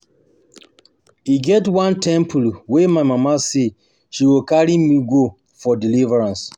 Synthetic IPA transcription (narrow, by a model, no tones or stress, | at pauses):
hiɡɛtwãntɛ̃mpʰulwɛmaɪmamase | ʃiwilkaɹimiɡo | fɔdilivəɹãns